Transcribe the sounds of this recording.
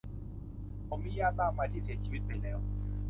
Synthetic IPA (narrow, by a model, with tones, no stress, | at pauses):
ɔ˧˨miː˦jaː˦˨naː˦˨˧ma˧t͡ɕi˨˦si˨˦t͡ɕiː˦wi˦t̪̚pe˧lɛː˦w